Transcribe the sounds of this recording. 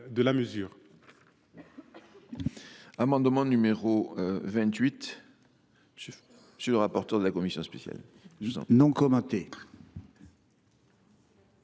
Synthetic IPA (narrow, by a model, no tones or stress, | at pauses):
d̪əlaməzyːʁ | amɑ̃d̪mɑ̃nymeʁovɛ̃t̪ɥit̪ | siləʁapɔʁt̪œʁd̪əlakɔmisjɔ̃spesja̰l̰̃ | nɔ̃kɔmɑ̃t̪e